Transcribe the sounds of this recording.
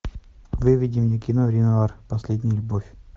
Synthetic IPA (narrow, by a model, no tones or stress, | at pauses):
vɨvʲidʲɪmjekʲinovɾʲɪnʲavarpɐsʲlʲed̪ʲnʲəjəlʲʊbofʲ